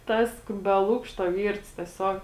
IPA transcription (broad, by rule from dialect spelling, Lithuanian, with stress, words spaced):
ˈtɐs bʲɛ ˈlˠʊkʃtoː ˈʋʲiːrts tʲɛˈsʲoːk